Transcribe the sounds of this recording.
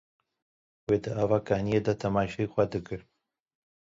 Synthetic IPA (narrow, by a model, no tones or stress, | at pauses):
weːd̪ɨaːvaːkaːnijed̪at̪ʰɐmaːʃɛjxʷɛd̪ɨkɨɾ